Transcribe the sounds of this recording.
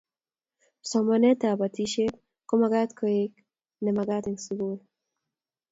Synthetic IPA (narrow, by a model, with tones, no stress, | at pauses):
sɔmɔne˦t̪a˨ba˨t̪i˦ʃe˦k̚ | ko˦maɡa˦t̪kʰɔek | ne˨ma˨ɡa˦t̪i˨ŋsuɡu˦e